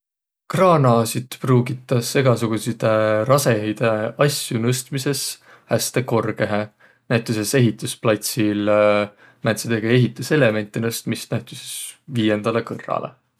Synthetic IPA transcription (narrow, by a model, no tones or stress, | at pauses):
krɑːnɑːsid̪pruːɡit̪ːˑɑse̞ɡ̥ɑsuɡ̥usit̪eɾɑse̞ejd̪̥eɑsjunɤst̪mise̞s | hæst̪e̞ko̞rɡe̞ɦe | næjt̪ːˑusese̞ɦit̪ˑusplɑt̪sil | mænsed̪̥e̞ɡ̥ɑe̞ɦit̪ːˑuse̞le̞me̞nt̪ːˑenɤst̪mist̪næjt̪ˑusesviːje̞nd̪̥ɑle̞kɤrːɑ̰lʔḛ